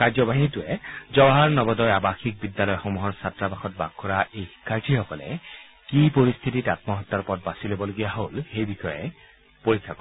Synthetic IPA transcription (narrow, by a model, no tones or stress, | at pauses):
kaɹzɔbaɦintʊɛzɔbaɦaɹnɔbɔdɔjabaxik̚bidːalɔjxomuɦɔɹsatːɹabaxɔt̚ba̰ɡkʰːɔɹaʔejhi̥kʰːaɹtʰixɔkɔlɛ̰ | kipoɹist̪ʰititat̚mɔɦɔtːɔɹpɔt̚basilobɔloɡijaɦolxejbixɔjɛ̰ | poɹikʰːakɔ